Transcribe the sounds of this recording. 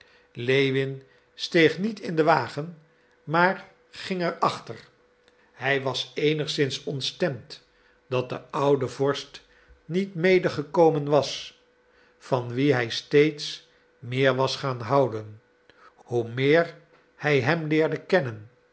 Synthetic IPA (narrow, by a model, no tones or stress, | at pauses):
lejʋɪn | stejχnitɪndəʋaːχən | maːɹ | χɪŋɛɹɑχtəɹ | hɛjʋɑsejnəχsɪnsɔntstɛmt | d̥ɑt̚də̰ʌwdəvɔɹst | nitmejdəχəkowmənʋɑs | fɑnʋiɦɛjstejts | mɪːɹʋɑsχaːnɦɑwdən | humɪːɹ | hɛjɦɛmlɪːɹdəkɛnən